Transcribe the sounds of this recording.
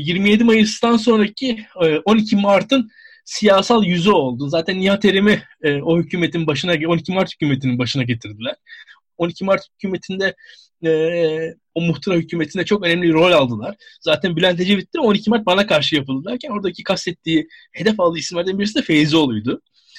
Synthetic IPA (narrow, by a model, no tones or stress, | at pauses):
jiɾmije̞d̪imajɯsd̪ans̬o̞nɾacʰiʔo̞nicʰimaɾt̪ʰɯn | sijaːsalˠjyzyo̞lˠd̪uzaːt̪ʰænːiɦat̪ʰe̞ɾemiːo̞hycʰyːmet̪ʰinbaʃɯnaɟo̞nicʰimaɾt̪hy̥cʰʲyːmet̪ʰininbaʃɯnaɟe̞t̪ʰiɾd̪ilʲæɾ̥ | o̞nicʰimaɾt̪hycʰyːme̞t̪ʰind̪ɛ | ɛː | omuxt̪ʰuɾahycʰyːme̞t̪ʰind̪ɛt͡ʃʰo̞kø̞nɛmlʲiɾo̞lʲalˠd̪ɯlˠaɾ̥zaːt̪ʰænbilʲænt̪ʰed͡ʒevit̪ʰʲːio̞nicʰimaɾt̪̚banakʰaɾʃɯjapɯd̪ɯlˠaɾcʰæno̞ɾd̪acʰikʰast̪ɛt̪ʰːiːhe̞d̪ɛfalˠd̪ɯisimlʲæɾd̪ænbiɾisid̪ɛfe̞jzio̞lˠujd̪ʊ